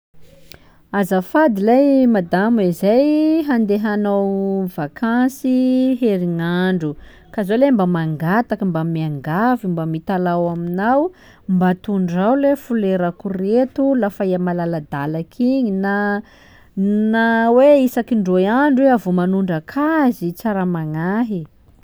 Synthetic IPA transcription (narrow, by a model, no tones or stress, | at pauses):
azafad̪ilajmad̪amezajɦand̪eɦanawvakʰasiɦeɾiŋaɳɖ͡ʐu | kazolembamaŋɡat̪akəmbamiaŋɡavimbamit̪alawaminaw | mbat̪uɳɖ͡ʐawlefuleɾakuret̪ulafaiamalalad̪alakʰiɲina | naweisakiɳɖ͡ʐojaɳɖ͡ʐuweavumanuɳɖ͡ʐəkʰazit͡saɾamaŋaɦi